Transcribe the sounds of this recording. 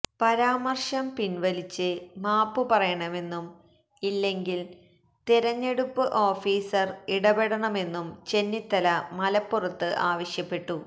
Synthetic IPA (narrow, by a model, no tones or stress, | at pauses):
pɐɾaːmɐrʂɐmpinʋɐlit͡ɕːɨmaːpːɨpɐrɐjɐɳɐme̞nːum | ilːe̞ŋɡil | t̪iɾɐɲːe̞ɽupːɨʔo̞ːfiːsɐriɽɐbe̞ɽɐɳɐme̞nːumt͡ɕe̞nːit̪ːɐlɐmɐlɐpːurɐt̪ːɨʔaːʋɐɕjɐpːe̞ʈːu